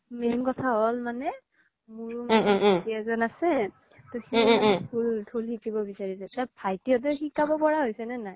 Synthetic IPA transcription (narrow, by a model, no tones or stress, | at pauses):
memkɔtʰaɦɔlmanɛ | muɹumaiɛzɔnasɛ | tɔxitʰultʰulhikibɔbisaɹisɛtabʰʱajtiɔt̬ɛxikːabɔpɔɹaɦojsɛnɛnaj